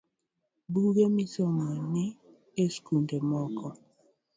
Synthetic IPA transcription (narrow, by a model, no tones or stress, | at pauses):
buɡemisɔmɔnɪ | eskundemɔkɔ